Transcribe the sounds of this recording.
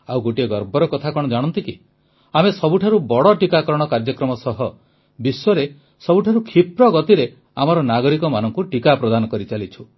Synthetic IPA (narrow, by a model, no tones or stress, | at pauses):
awɡoʈieɡɔɾbɔɾɔkɔt̪ʰakɔɽ̃ɔd͡ʒaɽ̃ɔnt̪iki | amesɔbuʈʰaɾubɔɽɔʈikakɔɾɔɽ̃ɔkaɾd͡ʒɔkɾɔmɔsɔɦɔ | biswɔɾe | sɔbuʈʰaɾukʰipɾɔɡɔt̪iɾe | amɔɾɔnaɡɔɾikɔmanɔŋkuʈikapɾɔd̪anɔkɔɾit͡ʃalit͡ʃʰu̥